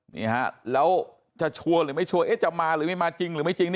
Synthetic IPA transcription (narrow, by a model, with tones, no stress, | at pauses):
nḭ˨˩ɦa˧˩lə˨˦w | t͡ɕɔ˧t͡ɕʰu˧əlɨ˨˩mə˨˦jt͡ɕʰu˧əʔe˦˥t̚t͡ɕɔ˧wŋ͡mmaː˧lɨː˨˩mə˦jmaː˧t͡ɕi˧ŋlmə˨˦jt͡ɕi˧ŋni˧˦